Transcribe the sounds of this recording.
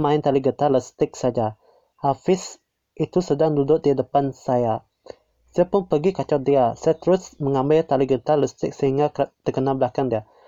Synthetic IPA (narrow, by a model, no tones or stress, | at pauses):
maɪnt̪aliɡət̪aləst̪ɪk̚sad͡ʒa | ʔafɪs | it̪usədaŋdudʊʔ̚diədəpansaja | sajapʊnpəɡikat͡ʃɔt̪̚diasajat̪əɾʊsməŋambɪt̪aliɡət̪aləst̪ɪk̚səɦiŋɡat̪əkənalbəlakandia